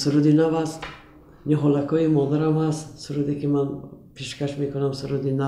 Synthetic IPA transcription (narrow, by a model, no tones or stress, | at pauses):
suɾud̪inavast̪ | niɦɔlakʰɔimɔd̪aɾamhast̪suɾud̪ekimanpʰeʃkaʃmekunamsuɾud̪ina